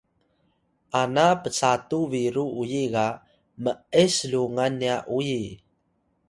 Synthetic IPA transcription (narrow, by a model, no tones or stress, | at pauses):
ʔanapət͡satuviɾuujiɡa | məəsluŋanːiaʔuji